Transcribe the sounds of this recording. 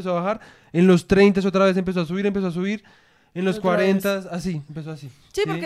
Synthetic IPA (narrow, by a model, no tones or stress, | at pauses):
esoaβaxaɾ | e̞nlo̞st̪ɾe̞jnt̪̬as̬o̞t̪̬ɾaβe̞s̬emp̬e̞s̬oas̬uβiɾe̞mpe̞s̬oasuβiɾ | enlo̞skwaɾent̪asasiempes̬oasi | sipoɾ